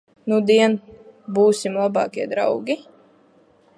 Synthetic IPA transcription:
nud̪iɛnbuːsʲimlˠabɑːkʲiɛd̪ɾa̰wɡʲi

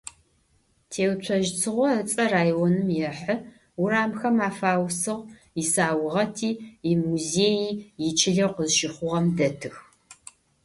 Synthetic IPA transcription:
tʰeːwt͡ʃʷʰɐʒt͡sʰɨʁʷɔət͡sʼɐraːjwɔnɨmjɛħə | ʊɾaːmxɐmaːfaːwsɨʁ | ɪsaːwʊʁɐtʰiːimuzeːjiːjɪt͡ʃʰɪɮɐqʷəzʃɪχʷʊʁɐmdɐtʰɨx

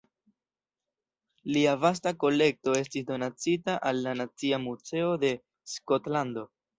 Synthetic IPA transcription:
liavas̬tako̞le̞k̚to̞e̞stisdo̞nat͡sitaʔalːanat͡siamut͡se̞o̞de̞ | sko̞tlando̞

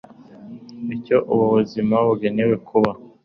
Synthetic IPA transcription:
ico̞ʔuβuβuzimaβuɡenewe̞kʰuβa

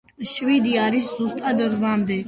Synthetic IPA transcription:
ʃvid̪iaɾiszust̪ʼad̪ɾvamd̪ɛ

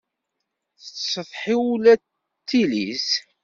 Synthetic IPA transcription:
θət͡ssəfħiwulæ | t̪ːilḭs

